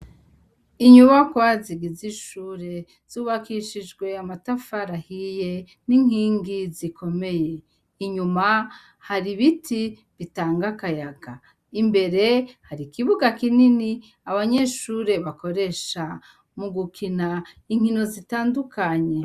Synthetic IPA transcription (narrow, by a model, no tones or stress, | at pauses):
iɲuβakwaziɡiziʃuːɾe̞ | z̥uːβakiʃid͡ʒɡwe̞amatafaɾahije̞ | niŋ̥iːŋɡizikʰo̞me̞je̞ | iɲuma | haɾiβitʰi | βitaːŋɡakajaɡ̥a | imbe̞ɾe̞haɾikiβuɡakinini | aβaɲeʃuːɾe̞βako̞ɾe̞ʃa | muɡukʰina | iŋ̥hino̞zitaːndukaɲe̞